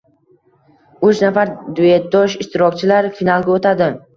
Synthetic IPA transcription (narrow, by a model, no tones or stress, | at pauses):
ʊt͡ʃnafaɾd̪ʊe̞t̪̚d̪ɒʃɪʃt̪ɪɾɒk̚ʲt͡ʃʰɪlaɾfinalˠɡʲaot̪ʰad̪ɪ